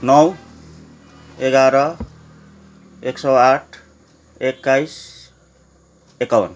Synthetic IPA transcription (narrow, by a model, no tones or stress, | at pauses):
nʌw | eɡaɾʌ | eksʌwaʈʰ | ekːajs | ekawʌ̰n